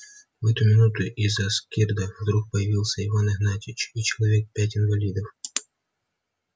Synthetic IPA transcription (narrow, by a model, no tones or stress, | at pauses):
vɛt̪ʊmʲɪnut̪ʊʔɪzɐskʲird̪əvd̪ɾuk̚pəjɪvʲilˠsʲəɪvanɨɦnatʲɪt͡ɕit͡ɕɪlˠɐvʲe̞k̚pʲæt̬ʲɪnvɐlʲid̪əf